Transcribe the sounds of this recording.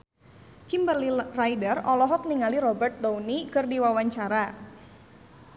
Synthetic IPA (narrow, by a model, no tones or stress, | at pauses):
kimbərlirajdərɔlɔɦɔk̚niŋaliɾɔbərt̪̚downikɨrdiwawaɲt͡ʃaɾa